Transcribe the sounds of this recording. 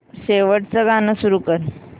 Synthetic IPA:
ɕeʋəʈt͡səɡanəsuɾuːkəɾ

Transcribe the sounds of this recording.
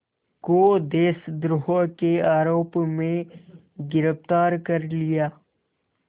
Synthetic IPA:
kod̪eːsd̪ɾʊɦokeaːɾoːpmẽ | ɡɪɾəft̪aːɾkɐɾlɪjaː

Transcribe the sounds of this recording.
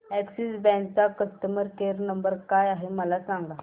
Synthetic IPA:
ɛksisbɛ̃nkt͡sakəst̪əməɾkeɾnəmbəɾkajaɦeməlasãŋɡa

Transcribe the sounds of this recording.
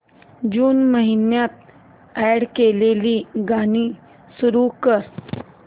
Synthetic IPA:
d͡ʒuːnməɦɪnjat̪̚ | ɛːɽkeleːliɡaːni | sʊɾukəɾ

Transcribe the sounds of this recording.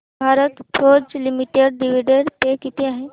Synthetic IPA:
bʱaɾət̪foɾd͡zlimiʈeɖ̚ːiʋ̤iɖeɽt̪ekit̪ʰeaɦe

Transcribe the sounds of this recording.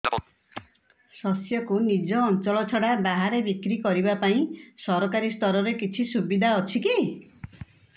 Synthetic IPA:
sɔsjɔkunid͡ʒɔːnt͡ʃɔlɔt͡ʃʰɔɽabaɦaɾebikɾikɔɾibapaĩsɔɾɔkaɾist̪ɔɾɔɾekit͡ʃʰisubid̪ʱaɔt͡ʃʰiki

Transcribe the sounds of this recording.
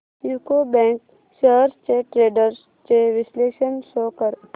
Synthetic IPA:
juːkobɛ̃ːŋk | ʃəːɾst͡ʃeːʈɾeːɖəɾs | t͡ʃeʋɪsleːʃənsoːkəɾ

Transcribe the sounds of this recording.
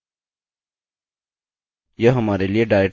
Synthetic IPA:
jəɦəmaːɾelieːɖaːe

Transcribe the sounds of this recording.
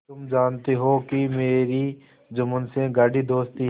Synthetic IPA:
t̪ʊmd͡ʒaːnt̪eɦokimeːɾi | d͡ʒʊmənsẽɡaːɖid̪oːst̪i

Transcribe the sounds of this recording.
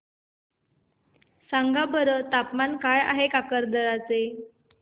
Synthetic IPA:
saŋɡabəɾət̪apmankaja̰ɦekakəɾd̪əɾat͡se

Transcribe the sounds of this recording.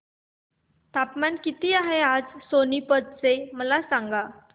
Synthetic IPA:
t̪apmankit̪iːaɦead͡zsonipəd̪̚t͡seməlasaŋɡa

